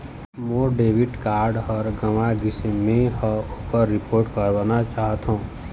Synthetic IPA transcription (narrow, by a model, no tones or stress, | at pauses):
moːɖeːʋiʈkaːɾɖɦɔɾɡəmaɡɪsmẽɦəokəɾːɪpʰoːɾʈkəɾʋanat͡ʃaːɦət̪ɦõː